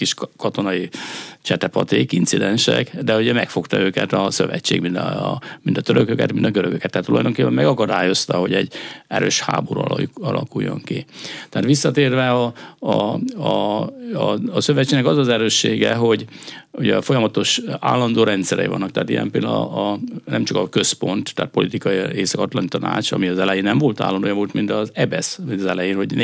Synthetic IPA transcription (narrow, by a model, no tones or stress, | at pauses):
kiʃkɒt̪o̞nɒit͡ʃɛt̪ɛpɒt̪eːkint̪sid̪ɛnʃɛ̰kd̪ɛuɟɛmɛkfo̞kt̪ɒøːkɛt̪ɒsøvɛct͡ʃːeːɡmint̪mint̪ɒ̥t̪øɾøkøkɛ̰t̪mint̪ɒɡøɾøɡøkɛt̪ːɛhat̪ːulɒ̰jd̪o̞ŋkeːpːɛmɛɡɒkɒd̪aːjo̞st̪ɒɦo̞ɟɛɟːɛɾøːʃha̰ːboɾɒlɒlɒ̰kujːo̞̰ŋkit̪ɛaːt̪ʋisːɒt̪eːrvɛɒ | ɒ | søvɛt͡ʃːeːnːɛkɒzɒzɛɾøːʃːeːɡɛɦo̞ɟuɟɛfo̞jɒmɒt̪o̞ʃa̰ːlːɒnd̪oːɾɛnt̪sɛɾɛ̰ḭvɒ̰nːɒk̚t̪ɛɦaːt̪ijɛ̰mpeld̪ | nɛmt͡ʃɒkɒkø̞spo̞nt̪ːɛɦːt̪po̞lit̪ikɒjieːsɒkɒt̪lɒnit̪ɒna̰ːt͡ʃɒ̰miɒzɛlɛjenɛɱvo̞lt̪a̰ːlːɒnd̪oːjɒvolt̪mint̪ɒzɛbɛsmint̪ɒzɛlɛjeːnho̞ɟn